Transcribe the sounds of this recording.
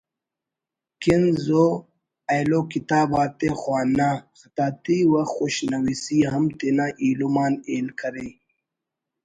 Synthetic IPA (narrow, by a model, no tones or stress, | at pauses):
kinzo | ajloːkit̪aːbaːt̪exwaːnaːxɐt̪aːt̪iwaxuɕnɐwisiɦɐmt̪inaːʔiːlumaːneːlkʰɐɾe